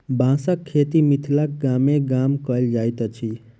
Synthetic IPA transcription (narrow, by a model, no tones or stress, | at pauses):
bʱãsəkʰːet̪imit̪ʰlak̚ɡameɡamkəjld͡ʒajt̪t͡ʃʰi